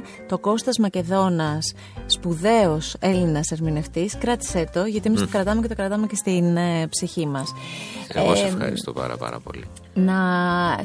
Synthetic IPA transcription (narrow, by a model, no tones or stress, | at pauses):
t̪o̞ko̞st̪ɐzmɐce̞ðo̞nɐsː | puðe̞o̞se̞linɐseɾmine̞ft̪iskɾɐt̪i̥set̪o̞ʝɐt̪ie̞mist̪okɾɐt̪ɐmecet̪okɾɐt̪ɐme̞ce̞st̪inpsiçimɐseeosɐ̰ɾḭst̪o̰pɐ̰ɾɐ̰pɐ̰ɾɐ̰po̞̰li | nɐ